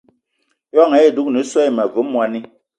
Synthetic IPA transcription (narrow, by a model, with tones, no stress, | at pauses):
jɔ˦˨ŋɛ˨˦e˨du˦k̚ni˨˦swɛ˦i˨mɛ˨vu˨˦mwa˨ni˦